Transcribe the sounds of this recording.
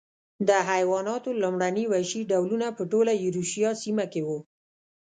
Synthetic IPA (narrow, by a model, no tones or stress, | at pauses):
d̪əɦajwɑnɑt̪olomɽaniwajʃiɖawlunapəʈolajuɾuʃijɑsimakewu